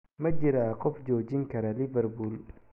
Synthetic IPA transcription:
mɐd͡ʒɪɾaqɔfd͡ʒɔːd͡ʒɪŋkɐɾɐlɪvɛrbul

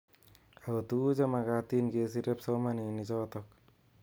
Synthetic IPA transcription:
aɡɔt̪ud͡ʒamaɡat̪inɡes̬iɾɛpsɔmaninid͡ʒɔːt̪ɔk̚

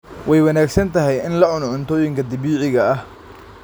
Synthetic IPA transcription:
wɛjwɐnaːɡsɐnt̪ʰɐɦɛjɪnlɐʕʊnʕʊnt̪ʰɔːjɪŋkʰɐd̪ɪβiːʕɪɣɐɐh

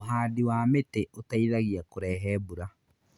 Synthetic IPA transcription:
ɦaːdiwaːmeteotaiðaɣiakoɾɛːɦɛːbuɾa

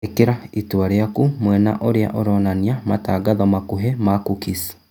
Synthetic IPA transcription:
ekeɾaitwaɾeakumwɛna̰ʔoɾea̰ʔoɾɔnaniamataːɡaðɔmakuɦɛmakukisi̥

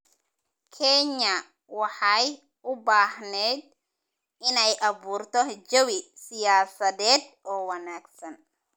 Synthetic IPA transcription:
kʰɛɲɐ | wɑħɑj | ʔʊbaːhnɛːd̪̚ | ɪnɛjʔɑβuːrt̪ʰɔd͡ʒɐwɪsɪjaːsɐðɛːd̪ | ɔːwɑnaːɡsɐn

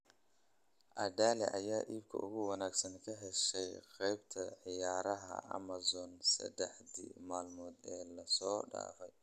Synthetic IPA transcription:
ʔɐɖaːlɛ̰ʔɐjaːʔiːbkʰɐ̰ʔʊɣʊwɐnaːɡsɐŋkʰɐɦɛʃɛjqɛjbt̪ʰɐʕɪjaːɾɐɦɐ̰ʔɐ̰mɐzɔːnsɐ̰d̪ɛħd̪ḭmaːlmɔːd̪ɛːlɐsɔːɖa̰ːfɛj

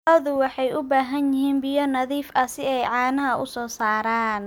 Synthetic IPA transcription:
ɐðʊwɑħɑjʔʊbaːɦɐnjɪɦiːnbɪjɔnɐðiːfɐsɪɛjʕɑːnɐɦɐʔʊsɔːsaːɾaːn

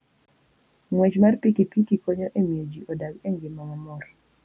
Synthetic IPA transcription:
ŋwɛt͡ʃmarpikipikikoɲoʔemiod͡ʒiʔɔdaɡeŋɡɪmaŋɔmɔɾ

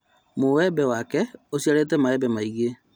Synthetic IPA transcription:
mowɛbɛwakɛosiaɾetɛmaɛbɛmaiɣe

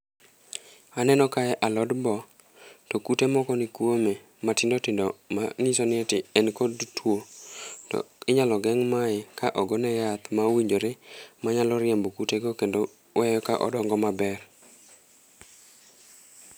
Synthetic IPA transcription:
anɛnɔkaɛʔalɔdbɔ | tɔkutemɔkɔnɪkwome | matɪndotɪndɔma̰ŋisonɪtɪɛnkodtʰwotɔ̰ɪɲalɔɡɛŋmaɪkaʔɔɡonɛjat̪mawiɲd͡ʒoɾɪmaɲalɔɾɪɛmbokuteɡokendo | wɛjɔka̰ʔɔ̰dɔŋɡɔmabɛr

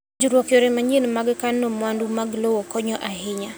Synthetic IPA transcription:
d͡ʒuɾwɔkjɔɾɛmaɲinmaɡkanːɔmwandumaɡlowɔkɔɲɔʔaɦɪɲa

